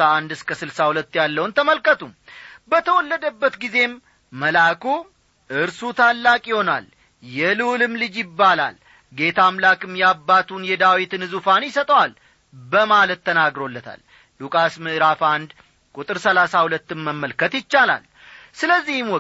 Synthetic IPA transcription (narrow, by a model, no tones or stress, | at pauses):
aand̪ɨskʰəsɨlsahulət̪ːjalːəwnt̪ʰəməlkət̪umbət̪ʰəwɔlːəd̪əbːət̪ɡize̞mː | əlaku | ʔɨɾsut̪ʰalːakʼjɪho̞nal | jɛlɨwlɨmlɨd͡ʒjɪbːala̰l | ɡe̞t̪ʰamlakʼɨmjabːat̪ʰunjɛd̪awit̪nɨzufanjɪsət̪ʼəwal | bəmalət̪ʰːənaɡɾo̞lːət̪ʰa̰l | lukʼasmɨʔɾafand̪ | kʼut̪ʼɨɾsəlasahulət̪ːɨmːəmːəlkət̪jɪt͡ʃːala̰l | sɨləzːihɨmwɔ